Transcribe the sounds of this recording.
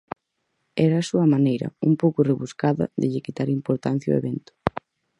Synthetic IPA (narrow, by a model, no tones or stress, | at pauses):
ɛɾɐːsuɐmanejɾɐ̰umpowkʊreβuskaðɐ̰ðɪ̰ʎɪkit̪aɾimpoɾt̪an̟θjao̰ḛβɛnt̪ʊ̥